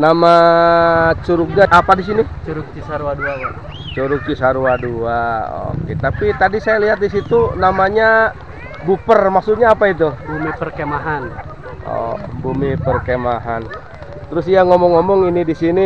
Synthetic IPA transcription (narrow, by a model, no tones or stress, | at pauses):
nama | t͡ʃuɾuɡaʔapadis̬init͡ʃuɾʊk̚t͡ʃisaɾuaduaɡa | t͡ʃuɾʊk̚t͡ʃisaɾuaduao̰ket̪apit̪adisajaliɦat̪̚disit̪unamaɲa | bupərmaksut̪ɲaːpait̪̬ubumipərkemaɦan | ʔɔ̰bumipərkemaɦan | t̪əɾʊsiaŋɔmɔŋːɔmɔŋinidisini